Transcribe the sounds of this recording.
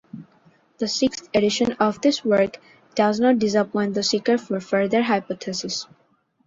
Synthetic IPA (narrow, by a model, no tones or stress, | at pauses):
d̪̥əsɪkst̪eɖɪʃə̃nɔfd̪ɪswəɹk | d̥aznɔʈ̚ɖɪzəpɔ̃ɪ̃nd̪əsikəɾfɔɾfəɾd̪əɾɦaɪpɔt̪ʰɛsɪs